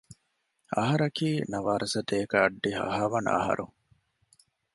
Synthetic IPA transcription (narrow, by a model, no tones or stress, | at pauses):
ɐɦɐɾɐkiːnɐʋaːɾʔɐsɐt̪eːkaːɖːihɐ̰ɦaːʋɐna̰ɦɐ̰ɾu